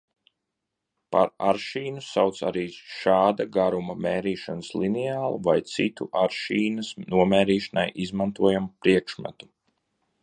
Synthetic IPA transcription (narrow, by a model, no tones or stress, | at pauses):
paɾaɾʃiːnusawt̪sa̰ɾiːʃaːd̪aɡaɾumɐmeːɾiːʃanslˠinɛaːlˠuvajt̪sit̪ṵʔaɾʃiːnɐsnuɔmɛːɾiːʃanajʔizmant̪uɔjamupɾiɛkʃma̰t̪u̥